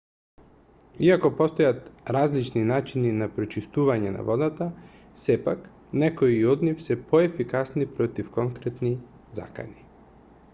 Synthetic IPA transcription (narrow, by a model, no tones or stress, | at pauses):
iakɔpɔst̪ɔjat̪ɾazlit͡ʃninat͡ʃininapɾɔt͡ʃist̪uvaɲɛna̰vɔd̪at̪a | sɛpak | nɛkoiɔd̪nifsɛpɔɛfikasnipɾɔt̪ifkɔŋkɾɛt̪ni | za̰ka̰ni